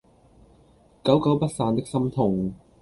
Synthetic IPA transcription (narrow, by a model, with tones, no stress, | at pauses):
kɐ˨˥wkɐ˨˥wpɐ˥t̚saː˧nt̪ɪ˥k̚sɐ˥mt̪ʰʊ˨˩ŋ